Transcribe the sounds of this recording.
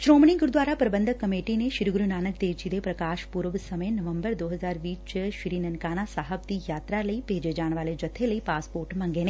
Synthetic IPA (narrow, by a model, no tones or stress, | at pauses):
ʃɾoːmnĩɡʊɾd̪ʋaːɾapɾɐbə̃nd̪ʱəkːɐmeːʈineʃɪɾɡʊɾunaːnəkd̪eːt͡ʃid̪epɾɐkaːʃpuɾʋsɐməenɐʋə̃mbəɾd̪oːɦɐzaːɾʋiːt͡ʃʃɾiːnɐnkaːnasaːɦəbt̪ijaːt̪ɾalɐibʱeːd͡ʒed͡ʒaːɳ̃ʋaːled͡ʒɐt̪ʰːelɐipaːspoːɾʈmɐ̃ŋɡeːne